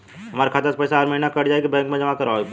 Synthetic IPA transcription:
ɦɐmaːɾekʰat̪əspəɪsaːɾməɦinakɐɽd͡ʒaːekibɛ̃ːŋkmẽd͡ʒɐmakɐɾak

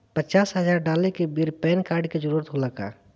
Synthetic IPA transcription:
pət͡ʃaːsɦəzaːɾɖaːlekebiɾpɛːnkaːɾɖked͡ʒəɾuːɾət̪ɦoləka̰ː

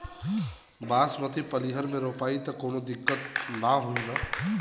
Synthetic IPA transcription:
baːsmət̪ipəliɦəɾmẽɾopaːit̪əkonod̪ɪkːət̪̚naɦoĩnə

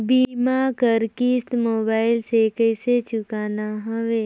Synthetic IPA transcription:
bimakəɾkist̪moːbaːɪlsekəɪset͡ʃʊkaːnaɦəʋe

